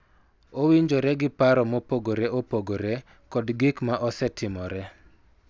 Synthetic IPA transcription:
owiɲd͡ʒoɾɛɡɪpaɾɔmopoɡoɾɛʔopoɡoɾɛ | kɔdɡɪkmaʔɔsɛtɪmɔɾɛ

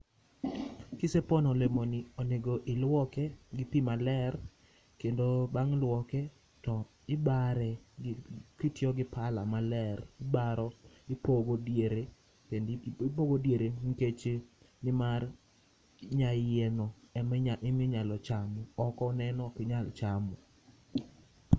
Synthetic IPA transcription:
kisepɔnɔlemonɪɔneɡoʔɪlwɔkɛɡɪpimalɛr | kendobaŋlwɔkɛ | tɔ | ɪbaɾɛɡkitjɔɡɪpala̰malɛrɪbaɾɔɪpoɡodjeɾe | kendɪpoɡodjeɾeŋ̩ket͡ʃe | nɪmar | ɲajɛnɔɛmɲaʔɪmɪɲalɔt͡ʃamɔɔkɔnɛnɔkɪɲalt͡ʃamɔ

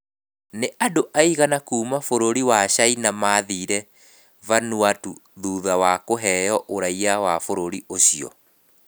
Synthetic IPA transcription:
neʔadoʔaiɣanakuːmafoɾoɾiwaɕainamaːðiːɾɛ | vanuatuðuːðawakoɦɛːjɔʔoɾaiawafoɾoɾiʔoɕiɔ̰

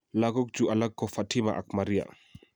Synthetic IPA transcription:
laɡɔk̚d͡ʒuʔalakːɔfatimaʔa̰k̚maɾija̰

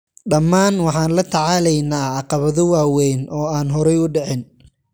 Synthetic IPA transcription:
ɖɐmːaːnwɑħɑːnlɐt̪ʰɑʕɑːlɛjnaːɑqɑβɐðɔwaːwɛnʔɔːaːnɦɔɾɛjʊɖɛʕɪn

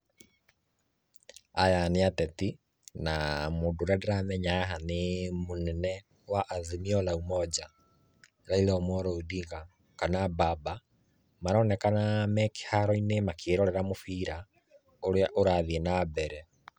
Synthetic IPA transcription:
ajaneatɛti | namoːndoɾɛdɛɾamɛɲaɦanemonɛnɛ | waʔːðemiɔlaumɔd͡ʑa | ɾailɛɔmɔɾɔudiɡa | kanababa | maɾɔnɛkanamɛke̥haɾɔinemakʰeɾɔɾɛɾamofiːɾa | oɾeaʔoɾaðienabɛɾɛ

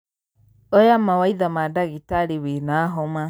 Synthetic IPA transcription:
ojamawaiðamadaɣitaɾiwinaɦɔma

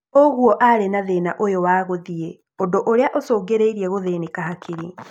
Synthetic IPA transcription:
oɣuɔʔaɾenaðenaʔojowaːɣoðie | ondoʔoɾeaʔosoːɡeɾeiɾiɛɣoðenikaɦakʰiɾi

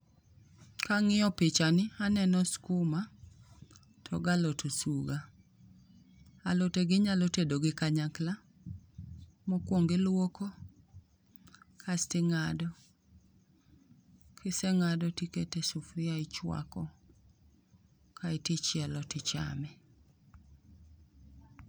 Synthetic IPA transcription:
kaŋɪɔpɪt͡ʃanɪanɛnɔskuma | tʰɔ̰ɡalotosuɡa | aloteɡɪɲalotedoɡɪkaɲakla | mokwoŋɡɪlwoko | kʰastɪŋadɔ | kʰɪsɛŋadɔtiketesufɾɪaɪt͡ʃwa̰kɔ | kʰaetit͡ʃjɛlɔtɪt͡ʃa̰mɛ

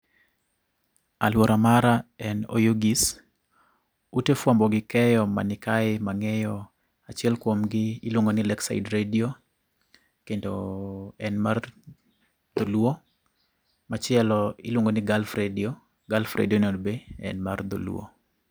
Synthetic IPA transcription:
alwoɾamaɾaɛno̰joɡis | utefwambɔɡɪkɛjɔma̰nɪkaɪmaŋɛjɔ | at͡ʃɪɛlkwomɡɪːlwoŋɡonɪlɛksa̰ɪdɾedio | kendoɛnmar | d̪̥olwo | mat͡ʃɪɛlɔɪlwoŋɡonɪɡalfɾedio | ɡalfɾʔḛdionɔdbeɛ̰nmard̪o̰lw̰o̰

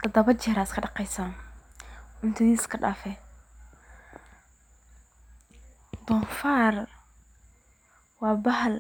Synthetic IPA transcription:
t̪ɐd̪ɐβɐt͡ʃɛːɾaskʰɐɖɑqɛjsaːn | ʊnt̪ʰɪðiːskʰɐɖaːfɛ | d̪ɔfaːr | wɑːbɐɦɐl

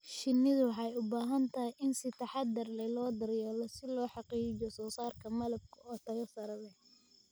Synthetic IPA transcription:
ʃɪnːɪðʊwħɑjʊbaːɦɐnt̪ʰɐɦɪjʔɪnsɪt̪ʰɐħɑd̪ɐrlɛlɔːd̪ɐɾjɛːlɔsɪlɔːħɑqiːt͡ʃɔsɔːsaːrkʰɐmɐlɐb̚kʰɐɔːt̪ʰɐɣɐsɐɾɐlɛ

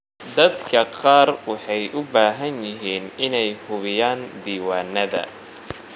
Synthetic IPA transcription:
d̪ɐd̪kʰɐqɑːrwɑħɑjʔʊbaːɦɐnjɪɦiːnʔɪnɛjhʊβɪjaːnd̪iːwaːnːɐðɐ̰

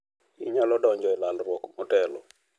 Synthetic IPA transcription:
iɲalɔdɔɲd͡ʒɔɛlalrwɔkmɔtɛlɔ

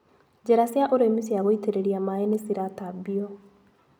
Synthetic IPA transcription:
d͡ʒeɾasjaʔoɾemisiaɣoiteɾeɾiamaenesiɾatabiɔ

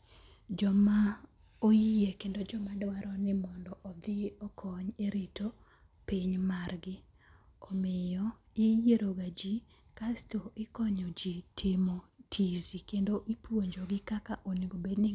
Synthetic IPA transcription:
d͡ʒɔma | ojiekendod͡ʒɔmadwaɾɔnɪmɔndɔʔɔd̪ɪɔkʰɔɲeɾito | piɲmarɡɪ | ɔmɪjɔ | ɪjeɾoɡad͡ʒi | kastoɪkɔɲɔd͡ʒitʰɪmotʰizikendoʔipwoɲd͡ʒoɡɪkakaʔoniɡobednɪ

